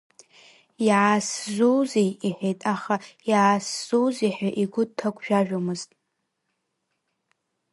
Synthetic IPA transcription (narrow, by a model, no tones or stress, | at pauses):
jʕaszuwzijiħejtʼaχaiʕasz̥uziħaʔiɡʷʊd̚tʰaɡʷʰʼʒᶣaʒᶣomɨztʼ